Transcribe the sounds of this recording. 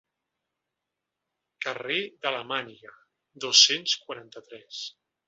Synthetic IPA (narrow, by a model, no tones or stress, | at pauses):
kəred̪ələmaniɣə | d̪osenskwaɾant̪ət̪ɾɛs